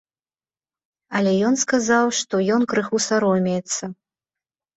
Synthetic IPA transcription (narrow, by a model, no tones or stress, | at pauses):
ɐlʲɛjɔnskazawʂt̪ɔjɔnkɾɨxusaɾɔmʲɛjɛt̪sːɐ